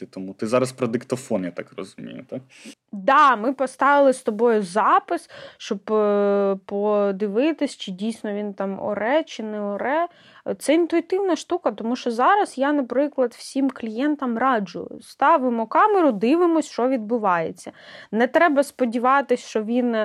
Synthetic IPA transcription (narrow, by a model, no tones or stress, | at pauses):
t̪ɔmut̪ɪzɑɾɐspɾɔd̪ɪkt̪ɔfɔnjat̪ɑkrɔ̰zʊmʲḭjʊt̪ɑk̚ | d̪ɑmɪpɔst̪ɑʋɪlˠɪst̪ɔbɔjʊzɑpɪsʃt͡ʃɔb | pɔd̪ɪʋɪt̪ɪsʲt͡ʃɪdʲijsʲnɔʋʲint̪ɑmɔ̰ɾɛt͡ʃɪnɛɔɾɛ | t̪sɛint̪ʊit̪ɪwnɐʃt̪ukɐt̪ɔmuʃt͡ʃɔzɑɾɐzjanɐpɾɪklˠɐd̪w̥sʲimklʲijɛnt̪ɐmrɑd͡ʒʊ̰jʊ̰st̪ɑʋɪmɔkɑmɛɾʊd̪ɪʋɪmɔsʲʃɔʋʲid̪̚bʊʋɑjet͡sʲːɐnɛt̪ɾɛbɐspɔdʲiʋɑt̪ɪsʲʃɔʋʲin